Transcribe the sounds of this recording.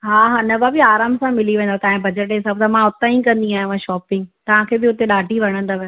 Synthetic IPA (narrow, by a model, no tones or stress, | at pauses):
ɦaːɦaːnɐbabɪaːɾaːmsãmɪliʋẽːnd̪at̪ɐ̃ːɦɪ̃bʱɐd͡ʑəʈ̬ɦɪsaːbt̪ɐmãʊt̪ãĩkɐ̃nd̪iaːɦj̃ʋãʃɔːpɪ̃ŋɡt̪ɐʋ̤ãkʰeːbɪʊt̪eɗaːɖʱiʋɐɽ̃ə̃nd̪aʋɐ